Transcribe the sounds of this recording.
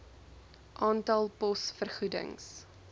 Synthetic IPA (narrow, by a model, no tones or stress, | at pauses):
ʔɑːntɐlˠpɔsfərχudə̰ŋs